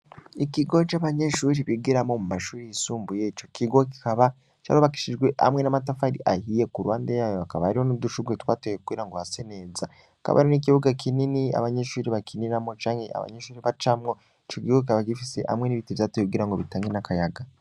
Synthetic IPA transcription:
ikiɡot͡ʃaβaɲe̞ʃuɾiβiɡiɾamo̞mumaʃuːɾijisuːmbujet͡ʃo̞kiɡoki̥kaβa | t͡ʃa̰oβaki̥ʃiʒɡwe̞ʔa̰mŋe̞namatafaɾḭʔahije̞kuɾwaːndejaːjoakaβahaɾiho̞nuduʃuɡwetwaːtojekuɡiːɾaŋɡo̞hase̞ne̞ːza | aka̰βa̰ɾinik̬iβuɡakʰininia̰βaɲe̞ʃuːɾiβakʰiniɾamo̞t͡ʃaːŋhe̞a̰βa̰ɲeʃuːɾiβat͡ʃamŋo̞ | it͡ʃokiɡokikaβaɡifise̞̰ʔa̰mŋe̞niβitivjatojekuɡiːɾaŋɡo̞βitaːŋɡenakʰajaɡa

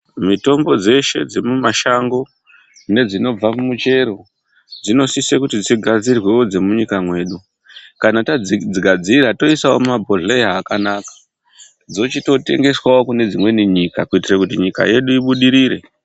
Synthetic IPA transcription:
mito̞mbo̞d͡ze̞ʃe̞̰d͡zemumaʃaŋɡo̞ | ne̞d͡zino̞b͡vamumut͡ʃe̞ɾo̞ | d͡zino̞sisekutid͡ziɡʱad͡zirwewo̞d͡zemuɲikamwe̞ːɗu | kanatad͡zid͡ziɡʱad͡ziiɾato̞isao̰mabʱoɮeakanakḁ | d͡zo̞t͡ʃito̞te̞̰ŋɡe̞swao̞kune̞d͡zimwe̞niɲikakuitirakut̬iɲika̰je̞ɗuiɓuɗiɾiːre̞̰

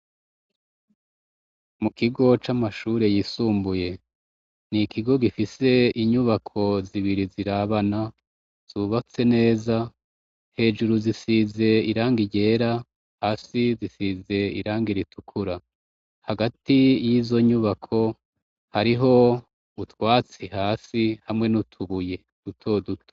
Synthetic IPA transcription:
mukiɡo̞t͡ʃamaʃuːɾe̞jiːsuːmbuje̞ | nikiɡo̞ɡifise̞iɲuβakʰo̞ziβiɾiziɾaβana | z̥uβat͡se̞ne̞ːza | he̞ːd͡ʒuɾuzisize̞iɾaːŋɡiɟe̞ːɾa | haːsizisize̞ḭɾaːŋɡiɾitʰukʰuɾa | haɡatijizo̞ɲuβakʰo̞ | haɾiɦo̞ | utwaːt͡sihaːsihamŋe̞nutʰuβuje̞ | utʰo̞ːdutʰo̥

